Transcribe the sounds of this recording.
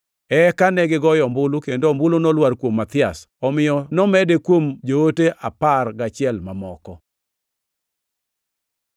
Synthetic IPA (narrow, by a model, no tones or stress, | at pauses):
ɛkanɛɡɪɡɔjɔmbʊlukendombulonɔlwaɾkwomːat̪ɪas | ɔmɪjɔnɔmɛdekwomd͡ʒooteʔaparɡat͡ʃɪɛlmamɔkɔ